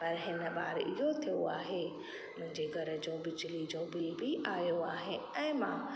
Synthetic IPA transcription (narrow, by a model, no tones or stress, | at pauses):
pɐɾɦɪnə̆ɓaːɾɪ̰ɦot̪ʰijo̰aːɦeː | mʊ̃ɦɪ̃ɲd͡ʑeɡʱɐɾə̆d͡ʑõːbɪd͡ʑɪlid͡ʑõːbɪlbʱiʔaːjoaːɦẽ | ɛ̃ːmã